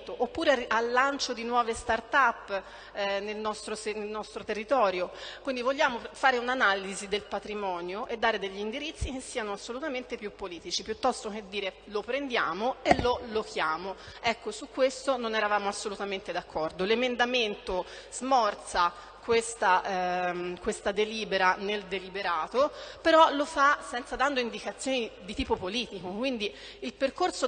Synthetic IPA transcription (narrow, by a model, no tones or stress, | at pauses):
t̪oʔopːuːɾeaalːant͡ʃod̪inwɔːvest̪art̪apː | nelnɔst̪ɾosenelnɔst̪ɾot̪erːit̪ɔːɾjokwind̪ivoʎːaːmofaːɾeunanaːlizid̪elpat̪ɾimɔːnjoʔed̪ːaːɾed̪eʎːiːnd̪iɾit̪sːik̟esːiːanoasːolut̪ament̪epjupːoliːt̪it͡ʃipjut̪ːɔst̪ok̟ed̪ːiːɾe | lopɾend̪jaːmoelːolokjaːmoɛkːosukːwest̪ononɛɾavaːmoasːolut̪ament̪ed̪akʰːɔrd̪olemend̪ament̪o | z̥mɔrt̪sa | kwest̪a | kwest̪ad̪eliːbeɾaneld̪elibeɾaːt̪opeɾɔlofasɛnt̪sad̪and̪oind̪ikat̪sːjoːnid̪it̪iːpopoliːt̪ikokwind̪i | ilperkorso